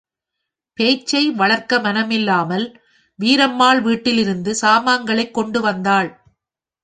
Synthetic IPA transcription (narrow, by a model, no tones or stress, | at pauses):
peːt͡ʃːɐɪʋɐɭɐɾkɐmɐnɐmɪlːaːmɐl | ʋiːɾɐmːaːɭʋiːʈːɪlɪɾɯnd̪ɯsaːmaːŋɡɐɭɐɪkːɔɳɖɯʋɐnd̪aːɭ